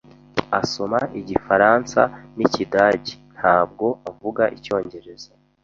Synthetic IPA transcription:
aso̞maʔiɟifaɾansa̰nicidaːɟi̥n̥haːb̚ɡo̞avuɡaʔico̞ːɲɟe̞ɾe̞za

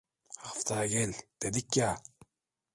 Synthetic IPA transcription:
ft̪ʰaːɡelt̪ed̪ikʲːaː

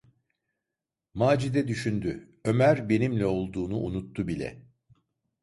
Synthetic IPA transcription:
maːd͡ʒid̪ɛd̪yʃynd̪y | ø̞mæɾbe̞nimlʲɛo̞lˠd̪uːnuʔunut̪ʰːubilʲɛ̰

